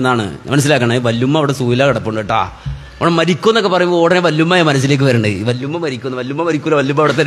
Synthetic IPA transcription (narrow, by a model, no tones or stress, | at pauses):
nːaːɳɨ̰mɐnɐs̬ːilaːk̬ːɐɳeʋɐlːumːɐʋiɽesuːjilaːkɐɽɐpːoɳɖɨeʈːa̰ː | ɐʋɳɐmɐɾikʲːunːokːepɐrɐɲːmbooːɽɐneʋɐlːumːaːjɐmɐnɐs̬ːile̞ːk̬ːɨʋɐɾuːɳɖɨ̰ʋɐlːumːɐmɐɾikʲːunːɐʋɐlːumːɐmɐɾikʲːulːɐʋɐlːumːɐʋiɽet̪̬ːɐ